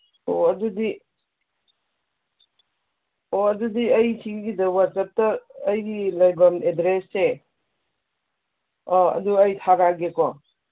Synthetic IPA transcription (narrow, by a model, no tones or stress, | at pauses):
oɐdudi | oɐdudiɐjsʰiɡɡidɐwat̚sɐp̚tɐːjlɐjbɐmedɾesːe | ɔɐ̰duɐjtʰaɾaɡekɔ